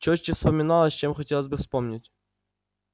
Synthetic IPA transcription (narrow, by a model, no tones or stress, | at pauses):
t͡ɕot͡ɕːəfspəmʲɪnɑlˠəsʲt͡ɕemxɐtʲelˠəzʲbɨfspomnʲɪtʲ